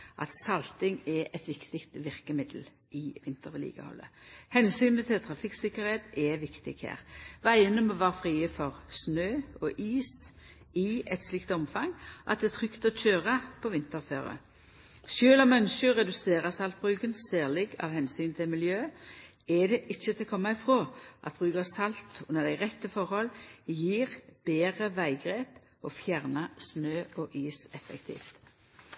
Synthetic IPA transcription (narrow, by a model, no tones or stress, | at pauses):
ʔɑ̰t̪sɑlt̪ɪŋɛʔɛt̪ʋɪkt̪ɪkt̪ʋɪʁkəmɪd̪əl̩ | ʔɪʋɪnt̪əʁʋɪlḭːɡə̰hɔ̰lːə̰hɛnsyːnət̪ʰɪlt̪ʰʁɑfɪksɪkəʁheːt̪ɛʋɪkt̪ɪɡ̥hæ̰ːʁʋæɪənəmɔːʋɑːʁfʁiːəfɔʁsnøːɔʔiːs | ɪɛt̪slɪkt̪ɔmfɑŋʔɑ̰t̪̚d̪ɛːt̪ʰʁʏkt̪ɔt͡ʃʰøːʁɑpʰɔʋɪnt̪əʁfø̰ːʁə̰ | ʃøːlɔmœnʃəʁɛd̪ʉseːʁɑsɑlt̪̚bʁʉːkənsæːʁlɪɡɑ̰ʋhɛnsyːnt̪ʰɪlmɪljøː | ɛd̪ɛʔɪçːət̪ʰɪlkʰɔmːɑɪfʁoːʔɑ̰t̪̚bʁʉːkəsɑlt̪ʊnːəʁd̪æɪʁɛt̪ːəfɔʁhɔljiːʁb̥eːʁəʋæɪɡʁeːp | ɔfjæʁnɑsnøːɔʔiːsɛfɛ̰kt̪ʰḭːft̪